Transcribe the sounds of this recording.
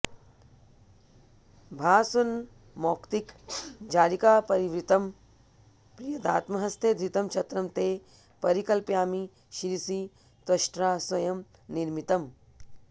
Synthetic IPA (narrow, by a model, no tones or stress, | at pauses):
bʱaːsun | mɔːkt̪ikd͡ʒaːɾikaːpɐɾiʋɾit̪ɐm | pɾijɐd̪aːt̪mɐɦɐst̪ʰeːd̪ɾit̪ɐmt͡ʃʰɐt̪ɾɐmt̪eː | pɐɾikɐlpjaːmi | ʃiɾisi | t̪ɐʃʈɾaːswɐjɐm | niɾmit̪ɐm